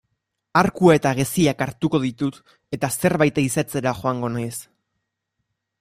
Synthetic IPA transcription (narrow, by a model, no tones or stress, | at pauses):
aɾkuae̞t̪aɣ̞esiakaɾt̪uko̞ðit̪ut̪ | e̞t̪ase̞ɾβajt̪aisat͡se̞ɾaʝo̞aŋɡo̞najs